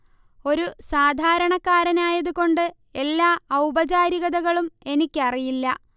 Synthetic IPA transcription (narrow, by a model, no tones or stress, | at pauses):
o̞ɾusaːd̪ʱaːɾɐɳɐkːaːɾɐnaːjɐðuko̞ɳɖɨ | e̞lːaːɐwbɐt͡ɕaːɾiɣɐðɐɣɐɭume̞nikʲːɨɐrijilːɐ